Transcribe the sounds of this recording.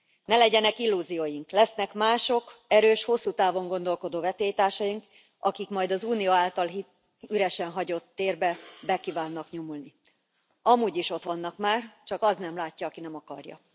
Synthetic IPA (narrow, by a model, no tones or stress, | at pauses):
nɛlɛɟɛnɛkilːuːzijoːjiŋklɛsnɛkmaːʃo̞kɛɾøːʃho̞sːuːt̪aːvo̞ŋɡo̞nd̪o̞lko̞d̪oːvɛt̪eːjt̪aːrʃɒjiŋk | ɒkikmɒjd̪ɒzuːnioaːlt̪ɒlɦi | yɾɛʃɛnɦɒɟo̞t̪ːeːrbɛbɛkiːvaːnːɒkɲomulni | ɒmuːɟiʃo̞t̪ʋɒnːɒkmaːrt͡ʃɒkɒznɛmlaːcːɒːkinɛmɒkɒ̰rjɒ̰